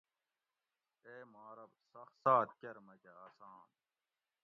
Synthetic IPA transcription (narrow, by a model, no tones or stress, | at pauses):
eːmaːɾɐbsɐxsaːt̪kɐɾmɐkeaːsaːn